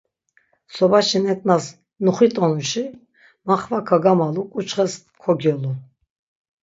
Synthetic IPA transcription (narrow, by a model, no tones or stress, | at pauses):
sɔbaʃɛnɛt̪ʼnas | nuχit̪ʼɔnuʃi | maχvakʰaɡamalukʼut͡ʃχɛs | kʰɔɡjɔlu